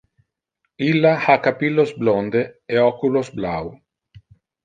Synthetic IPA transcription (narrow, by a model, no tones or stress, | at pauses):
ilːahakapilːozblond̪eeɔkulozbla̰w